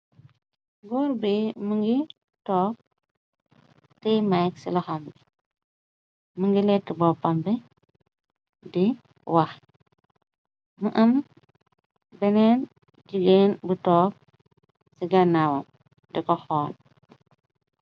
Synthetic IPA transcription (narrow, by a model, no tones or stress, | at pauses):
ɡɔːɾbimuŋɡi | tɔːk̚ | tɛmajksilɐxamɡi | məŋɡilɛtːibɔpːambi | di | wɐx | muʔɐm | bɛnɛːn | ɟuɡeːnbutɔːk̚ | siɡɐnawɐ̰ | dikɔxɔːn